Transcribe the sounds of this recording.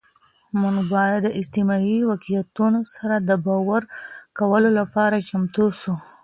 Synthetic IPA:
muŋɡbɑjad̪ːəɪd͡ʒt̪ɪmɑiwakiljat̪unosaɾad̪əbɑwaɾkawəlolapɑɾat͡ʃamt̪usu

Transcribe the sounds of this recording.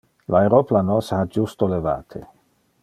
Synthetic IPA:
laeɾoplanoshad͡ʒust̪oleva̰ːt̪ʰḛ

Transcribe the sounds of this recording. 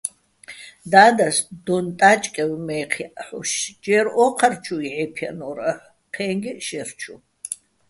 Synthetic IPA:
d̪aːd̪ɐsd̪ɔnt̪ʼat͡ʃʼkʼɛwmɛːqʰiʔħʊʃd͡ʒɛɾɔqʰɐrt͡ʃʰuiʕɛpʰɛ̰nɔɾɐ | qʰɛːŋɡiʃɛrt͡ʃʰu

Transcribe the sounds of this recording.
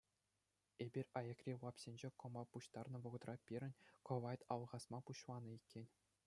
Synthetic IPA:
ebʲirʲɑjɑ̆krʲilˠɑpsʲenʲd͡ʑekɤ̆mɑpuɕt̪ɑrnɤ̆ʋɤ̆ʁɤ̆t̪rɑpʲiɾʲɘ̆nʲkŏʋɑjt̪ɑlˠʁɑsmɑpuɕlˠɑnɤ̆ikʲːenʲ

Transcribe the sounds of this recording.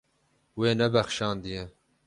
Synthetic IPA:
weːnɛbɛxʃɑːnd̪ijɛ

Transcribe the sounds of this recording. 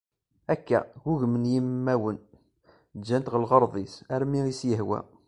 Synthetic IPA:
ækːæ̰ɣuʝmənjəmːæwən | d͡ʒːænt̪ʁəlʁəɾˤðˤisæɾmiisjəɦwæ̰

